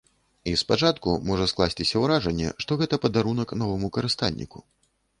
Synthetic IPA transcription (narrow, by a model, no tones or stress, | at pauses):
ispat͡ʂat̪kumɔʐɐsklˠasʲt͡sʲisʲɐwɾaʐɐnʲːɛ̰ʂt̪ɔɣɛt̪ɐpɐd̪aɾun̪ɐknɔvɐmukɐɾɨst̪a̰lʲnʲːḭkṵ